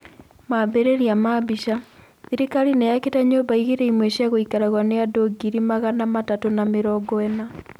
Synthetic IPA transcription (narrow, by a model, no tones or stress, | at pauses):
mabeɾeɾiamaβiɕa | ðiɾikaɾinejaketaɲobaiɣiɾeimweɕjaɣoikaɾaɣwaneadoɡiɾimaɣanamatatonameɾɔɡɔɛna